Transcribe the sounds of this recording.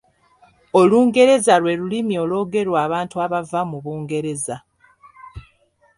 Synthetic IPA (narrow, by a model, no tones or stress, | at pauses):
o̞luːŋɡe̞ɾe̞zalwe̞lulimio̞ːlo̞ːɡe̞ɾwaːβaːntuaβavamuβuːŋɡe̞ɾe̞za